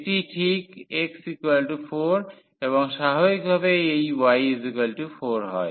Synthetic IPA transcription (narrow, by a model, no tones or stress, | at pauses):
eʈiʈʰikeksikwelʈufoɾ | eβoŋʃaɦobik̚bʱabeejwajizikelʈufoɾɦɔe